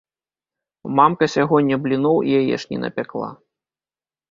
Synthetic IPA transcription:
mamkɐsʲaɣɔnʲːɐblʲinuwijajɛ̰ʂnʲḭnɐ̰pʲaklˠa̰

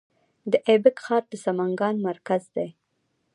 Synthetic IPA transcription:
d̪əʔebɪkxɑɾd̪əsamaŋɡɑnmaɾkazd̪ej

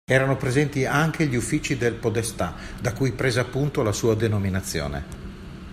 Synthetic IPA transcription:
ɛːɾanopɾezɛnt̪iaŋk̟ʰeʎiufːiːt͡ʃid̪elpod̪est̪a | d̪akujpɾeːzeapːunt̪olasuːad̪enominat̪sːjo̰ːnḛ

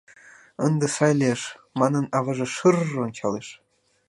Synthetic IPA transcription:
ɤ̆nd̪ɤ̆sɑjlʲeʂmɑnɤ̆nɑʋɑʐɤ̆ʂɯrːŏnt͡ɕɑlˠeʂ

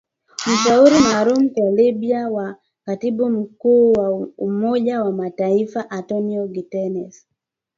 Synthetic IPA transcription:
m̩ʃauɾimaːlum̩kwalibiawa | katibum̩kuːwaumɔʄawamataifaʔantɔniɔɡitɛnɛs

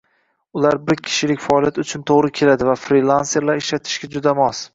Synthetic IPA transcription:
ʊlaɾbɪɾkʲʰɪ̥ʃɪlɪkʲfaɒːlijat̪ʊt͡ʃʰʊnt̪ʰoʁɾɪkʲʰe̞lad̪ɪvafɾilˠanse̞ɾlaɾɪʃlat̪ʰɪ̥ʃɡʲad͡ʒʊd̪amɒs

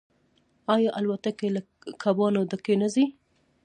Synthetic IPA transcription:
ɑjɑʔalwat̪akela | kʰabɑnod̪əkenazi

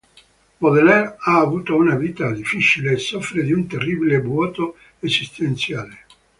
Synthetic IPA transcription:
moðelɛɾaːvuːt̪ounaviːt̪ad̪ifit͡ʃileːsːɔfɾed̪iunt̪erːibilebwɔːt̪o | ezist̪ent̪sjaːle

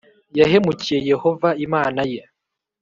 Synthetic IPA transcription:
jahe̞mucije̞je̞ho̞vaimaːnaje

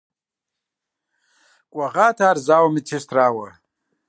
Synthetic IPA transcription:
kʼwɐɣaːt̪ʰaːɾzaːwmit͡sʰist̪ɾaːwɐ

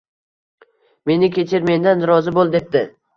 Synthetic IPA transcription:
me̞nɪkʲe̞t͡ʃʰɪɾme̞nd̪anɾɒzɪbolˠd̪e̞p̚d̪ɪ

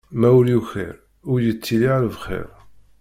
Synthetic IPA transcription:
mæwɾjuçḭɾ | ʊɾjət͡sːiliʕaləvχḭɾ

